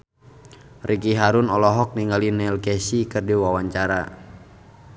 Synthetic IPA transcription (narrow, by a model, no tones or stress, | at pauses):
rʔikiɦaɾunɔlɔɦɔk̚niŋɡalinɛlkɛsikɨrdiwawaɲt͡ʃaɾa